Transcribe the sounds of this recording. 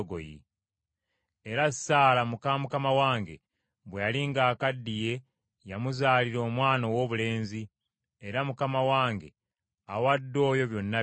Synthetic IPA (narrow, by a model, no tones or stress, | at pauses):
ɡo̰jḭ | eɾasaːlamukamukamawaːŋɡe̞̰ | βwejaliŋɡaːkadːije̞ | jamuzaːliɾo̞ːmwaːnowo̞ːβule̞ːnzi | eɾamukamawaːŋɡe̞̰ | awadːo̞ːjo̞βjo̞nːa